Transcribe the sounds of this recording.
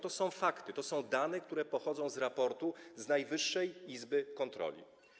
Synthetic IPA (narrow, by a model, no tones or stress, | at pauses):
t̪ɔsɔ̃w̃fakt̪ɘt̪ɔsɔ̃w̃d̪anɛkt̪uɾɛpɔxɔd̪zɔ̃w̃zɾapɔɾt̪uznajvɘʂːɛjizbɘkɔnt̪ɾɔ̰lʲḭ